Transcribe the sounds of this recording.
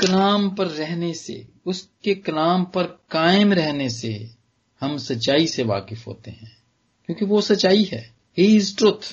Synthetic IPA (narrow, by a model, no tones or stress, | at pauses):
kɐlaːmpɐɾːɛɦnesḛ | ʊskekɐlaːmpɐɾkaːɪmɾɛɦnesḛ | hɐmsɐtːʃaːiseʋa̰ːkɪfɦo̰ːt̪eɦɛ̃ː | kjõːkiʋosɐtːt͡ʃaːiɦɛː | ɦisʈɾʊt̪ʰ